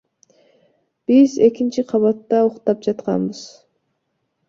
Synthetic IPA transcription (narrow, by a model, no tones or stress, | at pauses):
b̥ize̞kint͡ʃiqʰɑβɑt̪ːɑuqt̪ɑp̚d͡ʒɑt̪qɑ̰nbɨz̥